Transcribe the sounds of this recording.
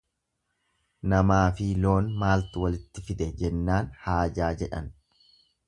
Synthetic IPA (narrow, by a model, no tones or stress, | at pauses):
nɐmaːfɪlo̞ːnmaːlt̪ɪwɐlɪt̪ːɪfɪd̪ɛd͡ʒɛnːaːnhaːd͡ʒaːd͡ʒɛᶑɐ̰n